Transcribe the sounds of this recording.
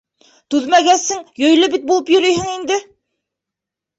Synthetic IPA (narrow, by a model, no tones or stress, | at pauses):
t̪ʉðmæɡæsɘŋjɵ̆jlɘbit̪̚bulˠɤpjɵ̆ɾɵjhɘŋind̪ɘ